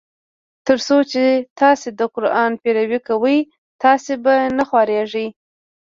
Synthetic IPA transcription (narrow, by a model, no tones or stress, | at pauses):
t̪əɾsot͡ʃet̪ɑsed̪əqʊɾɑnpeɾawikawəj | t̪ɑsebanaxwɑɾeʐəj